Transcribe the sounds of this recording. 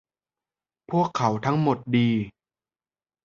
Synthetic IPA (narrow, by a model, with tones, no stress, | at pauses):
pʰu˥˩əkʰːa˩˦wt̪ʰa˦˥ŋmo˨˩t̪̚diː˧